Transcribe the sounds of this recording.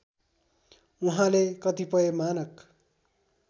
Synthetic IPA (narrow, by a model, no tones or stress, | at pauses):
uɦãlekʌt̪ipʌemanʌk